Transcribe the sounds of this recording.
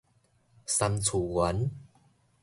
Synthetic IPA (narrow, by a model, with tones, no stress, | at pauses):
sa˧mt͡sʰuː˨˩wa˨˦n